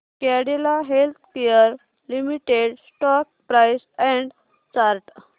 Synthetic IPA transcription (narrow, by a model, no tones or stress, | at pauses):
kɛɽelaɦelt̪ʰkejəɾ | limiʈeɽsʈɔk̚pɾajsɛ̃ɳɖ | t͡ɕaɾʈ